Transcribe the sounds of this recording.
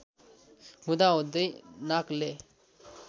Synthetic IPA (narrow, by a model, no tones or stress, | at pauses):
hud̪aod̪ənakle